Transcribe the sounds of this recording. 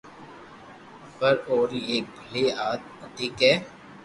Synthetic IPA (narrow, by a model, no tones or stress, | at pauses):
pəɾoːɾeːk̚bʱəleːaːt̪̚d̪ɪkɛː